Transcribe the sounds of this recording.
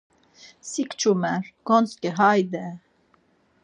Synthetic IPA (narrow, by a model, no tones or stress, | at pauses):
sikt͡ʃʰumɛɾɡ̥ɔnskɛɦajd̪ɛ